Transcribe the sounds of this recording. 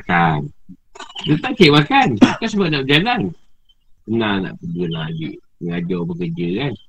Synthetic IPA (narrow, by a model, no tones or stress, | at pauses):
kan | dət̪aŋkeʔwakankans̬əbap̚naʔbəd͡ʒalan | kənana̰ʔpədunad͡ʒḭʔ | məŋad͡ʒɔbəkərd͡ʒəkan